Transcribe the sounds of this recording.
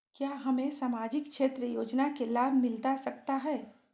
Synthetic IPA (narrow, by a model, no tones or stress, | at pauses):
kjaːɦɐmẽsaːmaːd͡ʒɪkʃeːt̪ɾəjoːd͡ʒnakelaːbʱmɪlt̪asɐk̚t̪aɦɛː